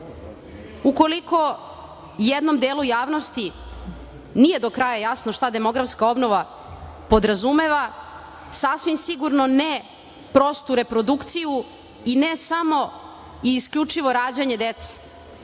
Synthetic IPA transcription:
uko̞liko̞ | jed̪no̞md̪eːlujaːʋnost̪i | nije̞d̪o̞kɾajajasno̞ʃt̪ad̪e̞mo̞ɡɾafskao̞bno̞ʋa | po̞d̪ɾazume̞ʋa | sasʋimsiɡuɾno̞ne | pɾo̞st̪uɾe̞pɾo̞d̪ukt̪siju | inesamo̞ | iːskʎʲut͡ʃiʋo̞ɾaːd͡ʑaɲe̞d̪et̪se̥

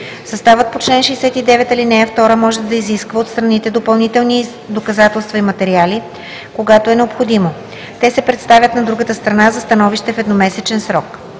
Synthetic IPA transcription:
sɐst̪avət̪̚pot͡ʃlɛnʃɛsɛt̪id̪ɛvɛt̪ɐlinɛjəft̪ɔɾəmɔʒɛd̪ɐiziskvəot̪st̪ɾɐnit̪ɛd̪opɐlˠnit̪ɛlˠni | d̪okɐzat̪ɛlˠst̪vɐimɐt̪ɛɾiali | koɡat̪oɛnɛopxod̪imo | t̪ɛsɛpɾɛt̪st̪avʲjət̪nɐd̪ɾuɡət̪əst̪ɾɐnazɐst̪ɐnɔviʃt̪ɛfɛd̪nomɛsɛt͡ʃɛnsɾɔk

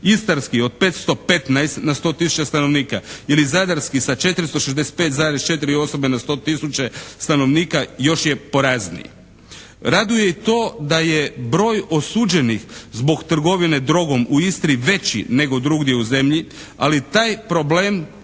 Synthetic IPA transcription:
ist̪aɾskio̞d̪̚pet̪st̪o̞pe̞t̪najst̪nast̪o̞ːt̪isu̥t͡ʃast̪ano̞ʋniːkailizad̪aɾskisat͡ʃe̞t̪ɾist̪o̞ʃezd̪ese̥t̪̚pe̞ːt̪zaːɾest͡ʃe̞t̪̬iɾio̞so̞be̞nast̪o̞ːt̪isut͡ɕest̪ano̞ʋniːkajo̞ʃje̞po̞ɾaznḭj | ɾad̪ujeit̪o̞ːd̪aje̞bɾo̞ːjo̞suːd͡ʑe̞nixzbo̞ɡt̪r̩ɡo̞ʋine̞d̪ɾo̞ɡo̞muist̪ɾiʋe̞t͡ɕḭne̞ɡo̞d̪ɾuɡd̪je̞uze̞mʎi | a̰lit̪aːjpɾo̞blem

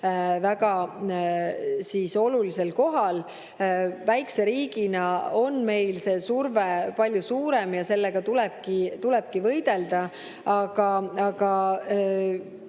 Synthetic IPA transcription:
væɡɑ | siso̞lulise̞lko̞ɦɑl | væjkse̞ɾiːɡ̥inɑo̞nme̞jlse̞ːsurvepɑlʲjusuːɾe̞mjɑse̞lːe̞ɡ̥ɑt̪ulɛb̥̚kit̪ulɛb̥̚kivɤjd̪̥e̞ld̪ɑ | ɑɡ̥ɑɑɡ̥ɑ

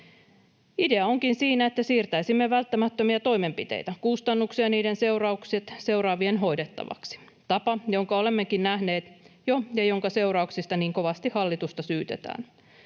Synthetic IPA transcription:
ide̞ɑo̞ŋkinsiːnæe̞t̪ːæsiːrt̪æisimːeʋælt̪ːæmæt̪ːømiɑt̪o̞jme̞mpit̪ḛjt̪ækust̪ɑnːuksiɑniːdense̞wrɑukset̪se̞uɾɑːʋienɦo̞jdet̪ːɑ̰ʋɑ̰ksi̥ | t̪ɑpɑjo̞ŋkɑolemːekinnæhne̞ːt̪jojɑjo̞ŋkɑse̞uɾɑuksist̪ɑniːŋko̞ʋɑst̪ihɑlːit̪ust̪ɑsyːt̪et̪æ̰ːn

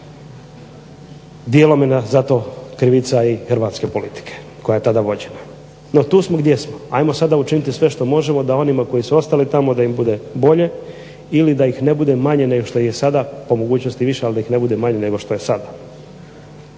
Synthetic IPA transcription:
d̪jeːlo̞menazat̪o̞kɾiʋit̪saixɾ̩ʋaːt̪ske̞po̞lit̪i̥kʰe̥ | ko̞jaje̞t̪ad̪aʋo̞d͡ʑe̞na | no̞t̪uːsmo̞ɡd̪je̞smoa̰jmo̞sad̪aut͡ʃinit̪isʋe̞ʃt̪o̞mo̞ʒe̞mo̞d̪ao̞nimako̞jisuo̞st̪alit̪amo̞d̪aimbud̪e̞bo̞ʎe̞ | ilid̪aixne̞bud̪e̞maɲe̞ne̞ɡoʃt̪o̞içjesad̪apo̞mo̞ɡuːt͡ɕnost̪iʋiʃealid̪aixne̞bud̪emaɲe̞ne̞ɡo̞ʃt̪o̞jesad̪a

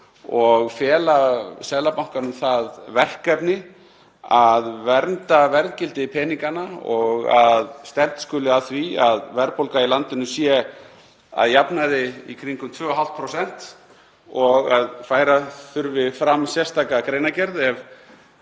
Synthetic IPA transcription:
ɔɣfjɛːlasɛðlapawŋ̥kanʏmθaðvɛr̥kɛpnɪ | aðvɛɾnt̪avɛɾðcɪlt̪ɪpʰɛːniŋkanaɔɣaðst̪ɛɾt̪skʏlɪaθviaðvɛɾpowlkailant̪ɪnʏsjɛ | a̰ðjapnaðɪikʰɾiŋkʏmt̪ʰvœːɔɦalt̪pʰɾowsɛn̥t̪ | ɔɣaðfaːjɾaθʏɾvɪfɾamsjɛrst̪ʰaːkakɾeːjnacɛɾðɛv

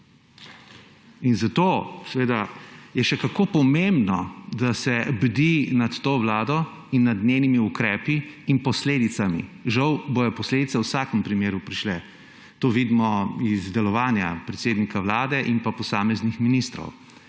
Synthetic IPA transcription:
inzat̪oːsɛʋeːd̪ajɛʃɛkakoːpɔmembnɔd̪asɛbd̪inat̪ːoːʋlaːd̪ɔ | inːad̪neːnimiukɾɛːpiːnpɔsleːd̪it̪samiʒawbojɔpɔsled̪it̪sɛwsaːkəmpɾimeːɾupɾiʃlɛ | t̪oːʋiːd̪mɔizd̪ɛlɔʋaːnja̰pɾɛt̪seːd̪nikawlaːd̪ɛʔinpapɔsaːmɛznixminist̪ɾɔ̰w

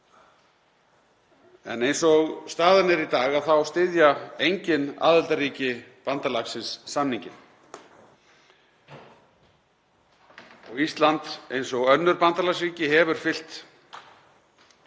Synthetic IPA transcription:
ɛ̰nejnsɔɣst̪aːðɪnɪɾit̪aːɣaðθawst̪ɪðjaejɲcɪna̰ːðɪlt̪aɾriːcɪpant̪alaksɪnsːamniɲcɪn | ɔɣist̪lant̪ejnsɔɣœnːʏɾpant̪alas̬ɾiːcɪɦɛvʏɾ̥fɪl̥t̪

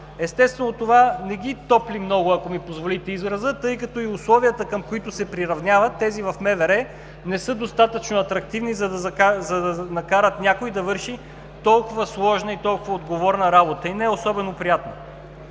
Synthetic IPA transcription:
ɛst̪ɛst̪vɛnot̪ovanɛɡʲit̪ɔplimnɔɡʊɐkomipozvolit̪ɛizɾɐzət̪ɤjkɐt̪ɔiʊslˠɔviət̪əkəmkoit̪ʊsɛpɾiɾɐvnʲjavɐt̪ːɛzivɐfmɛvɛɾɛ | nɛsɤd̪ost̪at̪ət͡ʃnoɐt̪ɾɐk̚t̪ivnizɐd̪ɐzzɐd̪ɐnɐkaɾət̪nʲakoid̪ɐvɤɾʃi | t̪ɔlˠkʊvəslˠɔʒnəit̪ɔlˠkʊvəod̪ɡovɔɾnɐɾabot̪əinɛosɔbɛnopɾijat̪nɐ

